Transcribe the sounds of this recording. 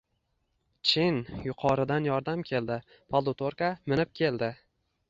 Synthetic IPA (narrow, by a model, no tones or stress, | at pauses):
t͡ʃʰɪnjʊqʰɒɾɪd̪anjɒɾd̪amkʲʰe̞lˠd̪ɪ | pʰalˠd̪ʊt̪oɾkamɪnɪp̚kʲʰe̞ld̪ɪ